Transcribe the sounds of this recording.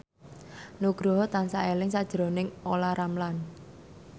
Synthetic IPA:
nuɡ̥ɾɔɦɔt̪ansaʔelɪŋsad̥ʒ̥ɾonɪŋolaɾamlan

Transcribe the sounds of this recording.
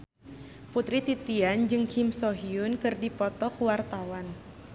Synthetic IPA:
put̪ɾit̪it̪iand͡ʒɨŋkʰimsɔɦiunkɨrdipɔt̪ɔkuwart̪awan

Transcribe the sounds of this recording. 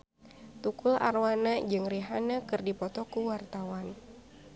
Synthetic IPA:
t̪ukula̰rwanad͡ʒɨŋriɦanakɨrdipɔt̪ɔkuwart̪awan

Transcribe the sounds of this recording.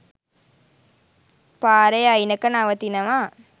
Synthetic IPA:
paːɾɐjajinɐkːɐnaʋɐt̪ːinɐmaː

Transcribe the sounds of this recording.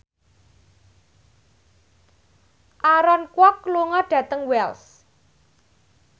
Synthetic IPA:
ʔaɾɔnkwɔkːluŋɔɖ̥ä̤t̪əŋwɛls

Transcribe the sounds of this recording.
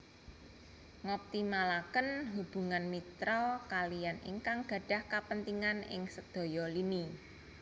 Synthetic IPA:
ŋɔp̚t̪imalakənɦub̥ṳŋanmit̪ɾɔkalijanḭŋkaŋɡ̥a̤ɖ̥a̤hkapənt̪iŋanɪ̰ŋsəd̪̥ɔ̤jɔlini

